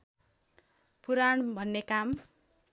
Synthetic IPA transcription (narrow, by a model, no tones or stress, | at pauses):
puɾaɳbʱʌnːekam